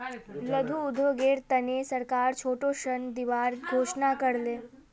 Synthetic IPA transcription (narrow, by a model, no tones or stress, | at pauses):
ləd̪ʱuʊd̪ʱʋoɡeːɾt̪ənesəɾkaːɾt͡ʃʰoːʈoʃənd̪iʋaːɾɡʱoːʃnakəɾleː